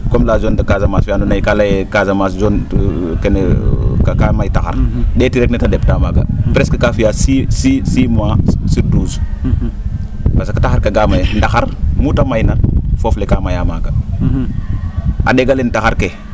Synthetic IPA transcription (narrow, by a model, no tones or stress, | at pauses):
komlad͡ʒondakazamasfjandunajikalajekazamasd͡ʒon | kenekakamajtaxa̰ɾdetiɾeknitadeptamaɡa̰pɾeskəkafijasisisimasiɾduːz | pasakḁtaxaɾkaɡamajndaxaɾmutamajnafoflekamajamaɡa | a̰deɡalentaxaɾke